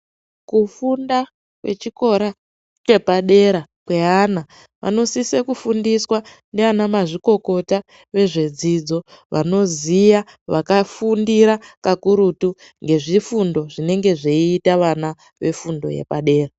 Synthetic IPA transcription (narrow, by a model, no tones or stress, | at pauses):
kufunda | kwe̞̰t͡ʃiko̞ɾa | t͡ʃe̞paɗe̞ɾakwe̞ɦana | ʋʔa̰no̞sisekufundiswa | neʋanamaʐiko̞ko̞ta | ʋe̞ʐe̞d͡zid͡zo̞ʋa̰no̞zija | ʋakafundiɾakakuɾutu | ŋɡe̞ʐifundo̞ʐine̞ŋɡe̞ʐeiːtaʋana | ʋe̞fundo̞̰jḛpaɗe̞ːra